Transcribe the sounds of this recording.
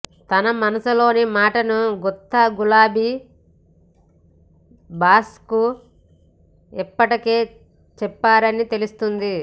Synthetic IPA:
t̪ɐnɐmɐnɐsulo̞ːnimaːʈɐnuɡɔt̪ːɐɡulaːbi | baːsku | ɛpːɐʈike̞ː | t͡ʃɛpːaːɾɐnit̪e̞lust̪und̪i

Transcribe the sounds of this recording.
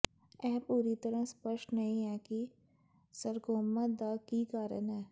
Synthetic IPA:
ɛːpuːɾit̪əɾə̃spəʃʈnɐɦĩɦɛːki | səɾkoːmad̪aːkikaːɾə̰nɦɛː

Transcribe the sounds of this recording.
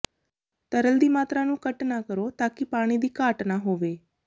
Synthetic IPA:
t̪əɾəld̪iːmaːt̪ɾaːnũːkəʈnaːkəɾoːt̪aːkɪpaːɽ̃iːd̪iːkaːʈnaːɦoːʋeː

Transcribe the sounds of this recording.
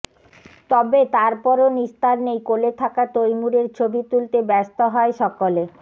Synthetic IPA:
t̪ɔbet̪aɾpɔɾonist̪ʰaɾnejkolet̪ʰakat̪ojmuɾeɾt͡ɕʰobit̪ult̪ebɛst̪oɦɔeʃɔkole

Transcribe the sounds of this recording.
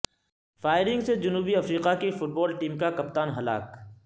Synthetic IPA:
faːɪɾɪ̃ŋɡsed͡ʒʊnuːbiɐfɾiːqakefʊʈ̚bɔːlʈiːmkakɐp̚t̪aːnɦɐla̰ːk

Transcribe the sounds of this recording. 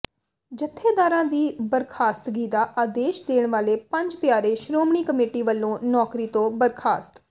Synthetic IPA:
d͡ʒət̪ʰːeːd̪aːɾãːd̪iːbəɾkʰaːst̪ɡiːd̪aːʔaːd̪eːʃd̪eːɳʋaːleːpəɲd͡ʒpɪjaːɾeːʃɾoːmɳiːkəmeːʈiːʋəlːõːnɔːkɾiːt̪õːbəɾkʰaːst̪

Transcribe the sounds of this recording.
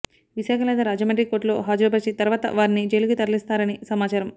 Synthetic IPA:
ʋiʃaːkʰɐmlɛːt̪ɐɾaːd͡ʒɐmɐɳʈɾiko̞ːɾʈlo̞̰ːɦaːd͡ʒɾoːbɐɾt͡ʃit̪ɐɾʋaːt̪ɐ̰ʋaːɾinid͡ʒeluɡut̪ɐɾɐlist̪aːɾɐnisɐmaːt͡ʃaːɾɐm

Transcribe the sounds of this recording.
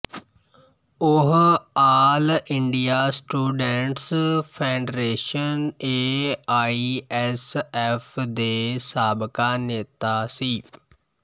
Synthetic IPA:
ʊɦaːlɪɳɖijaːsʈuːɖɛɳʈspʰeːɳɖɾeːʃəneːaːiɛsɛːfʰd̪eːsaːbkaːneːt̪aːsiː

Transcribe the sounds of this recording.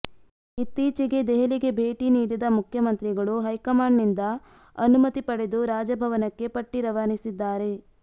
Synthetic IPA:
it̪ːiːt͡ʃiɡe̞d̪ɛɦɐliɡe̞bʱeːʈiniːɽid̪ɐmukʰjɐmɐnt̪ɾiɡɐɭuɦɐjkɐmaːɳːind̪ɐ | ɐnumɐt̪ipɐɽe̞d̪uɾaːd͡ʒɐbʱɐʋɐnɐkːe̞pɐʈːiɾɐʋaːnisid̪ːaːɾe̞

